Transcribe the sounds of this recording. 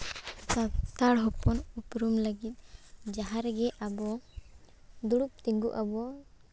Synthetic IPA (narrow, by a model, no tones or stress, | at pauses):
at̪aɽɦɔpɔnupɾumləɡit̪̚ˀd͡ʒaɦaɾɡɛʔabɔ | d̪uɽup̚t̪iŋɡuʔabɔ